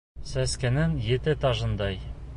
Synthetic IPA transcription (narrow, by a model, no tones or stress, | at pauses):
sæskɘ̆nɘŋjet̪ɘt̪ɒʒɤ̆nd̪ɑj